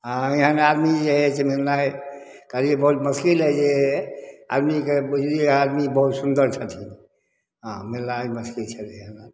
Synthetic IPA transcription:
ɦãiɦənead̪mid͡ʒeɦɛt͡ʃʰemilnaj | kəɾiebəɦut̪məskiləd͡ʒe | a̰d̪mikebud͡ʒiad̪mibəɦut̪sund̪əɾt͡ʃʰət̪ʰin | ɦãmilnaiməskilt͡ʃʰət̪eɦəna

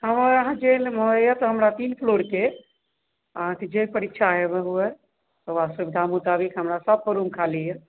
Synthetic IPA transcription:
ɦəməɾəɦãd͡ʒelməjɛt̪ɔɦəmɾat̪inpʰloɾke | əɦãked͡ʒepəɾitːʃʰaɦebəɦuɛ | t̪ɔʋast̪əbid̪ʱamut̪abikɦəmɾasəb̚pəɾumkʰalijɛ

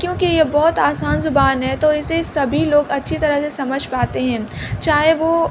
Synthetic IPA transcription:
kjõːkijebɔɦʊt̪aːsaːnzʊbaːnɦɛt̪oɪsesɐbʱiloːɡɐtːʃʰit̪ɐɾəɦsesɐməd͡ʒʱpaːt̪eɦɛ̃ːt͡ʃaːɦeʋo

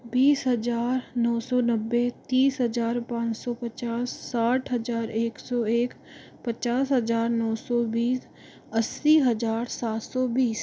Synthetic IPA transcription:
biːsɦəzaːɾnɔːsɔːnəbːet̪iːsɦəd͡ʒaːɾpãːt͡ʃsɔːpət͡ʃaːsːaːʈʰɦɐd͡ʒaːɾeːksɔːeːk | pət͡ʃaːsɦəzaːɾnɔːsɔːbiːs | əsːiɦɐd͡ʒaːɾsaːt̪sɔːbiːs

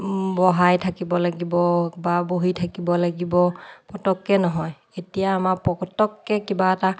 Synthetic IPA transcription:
bɔɦajtʰakibɔlaɡibɔbaboɦitʰakibɔlaɡibɔpɔtɔkːɛnɔɦɔj | etijaːmapɔɔtɔkːɛkibaɛta

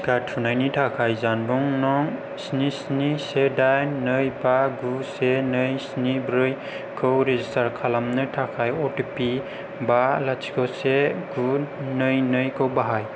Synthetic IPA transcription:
katʰunajnitʰakʰajzanbuŋnɔŋ | snisnisedajnɯjbaɡusenɯjsnibɾɯj | kʰɯwɾezistaɾkʰalamnɯtʰakʰajɔtipi | balat͡ʃʰi̥kɔseɡunɯjnɯjkʰɯwbaɦaj

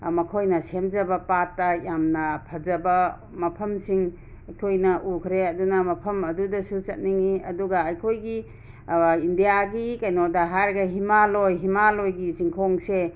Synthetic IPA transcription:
mɐkʰojnɐsemzɐbɐpatːɐjamnɐpʰɐzɐbɐ | mɐpʰɐmsiŋ | ɐjkʰojnɐʔukʰɾeɐdunɐmɐpʰɐmɐdudɐsusɐt̚niŋiɐduɡaːjkʰojɡi | indijaɡikajnodɐɦaɾɡɐɦimalojɦimalojɡisiŋkʰoŋse

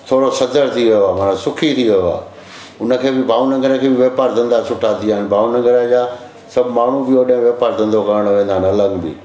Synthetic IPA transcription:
t̪ʰoːɾosɐd̪əɾt̪ʰiʋɐjoaːmaːnãsʊkʰit̪ʰiʋɐjoa̰ː | ʊnəkʰeːbɪbʱaːunɐ̃ŋɡəɾə̃kʰeːbɪʋeːpaːɾd̪ɐ̃nd̪asʊʈʰaːt̪iaːɪnbʱaːunɐ̃ŋɡəɾad͡ʑaː | sɐbmaːɳ̤ũbɪoɗɐ̃ɦɪ̃ʋeːpaːɾd̪ɐ̃nd̪okɐɾəɽ̃ʋẽːnd̪aɦɪnɐləɡbɪ̰

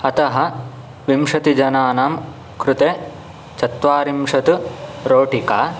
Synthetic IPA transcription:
ɐt̪ɐɦɐ | ʋimʂɐt̪id͡ʒɐnaːnaːm | kɾut̪eː | t͡ʃɐt̪ʋaːɾimʂɐt̪uɾoːʈikaː

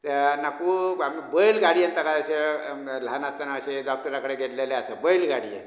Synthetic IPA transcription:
t̪nakuːamibəjlɡaɽiənt̪əkaəɕelanast̪anaəɕeɖɔk̚ʈəɾakəɽeɡʱet̪leleasəbəjlɡʱaɽḭḛ

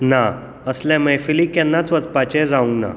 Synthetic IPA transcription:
na | əsljãmɛjfilikɛ̃nːat͡sʋət͡spat͡ɕɛd͡zaʋuŋkna̰

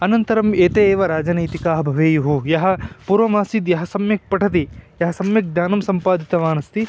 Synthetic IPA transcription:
ɐnɐnt̪ɐɾɐmeːt̪eeːʋɐɾaːd͡ʒɐnɐjt̪ikaːɦɐbʱɐʋeːjuɦujɐɦɐ̆puːɾʋɐmaːsid̪jɐɦɐsɐmjɐk̚pɐʈʰɐt̪̬ijɐɦɐsɐmjɐk̚d̪jaːnɐmsɐmpaːd̪ʱit̪ɐʋaːnɐst̪i

